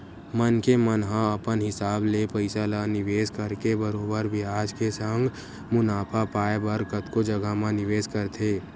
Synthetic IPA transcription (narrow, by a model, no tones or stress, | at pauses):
mənkemənɦãəpənɦɪsaːblepəɪsalanɪʋeːskəɾkebəɾoːbəɾbʱɪaːd͡ʒkesə̃ŋɡ | mʊnaːpʰapaːebəɾkət̪kod͡ʒɐɡamãnɪʋeːd͡ʒkəɾt̪ʰeː